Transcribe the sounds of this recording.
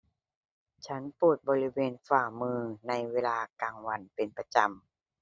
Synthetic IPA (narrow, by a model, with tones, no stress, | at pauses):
t͡ɕʰa˦˥npuː˨˩t̪̚bɔː˧li˦˥weː˧nfaː˧˩mɯː˧na˧jweː˧laː˧kaː˧ŋwa˧npe˨npa˧t͡ɕa˧m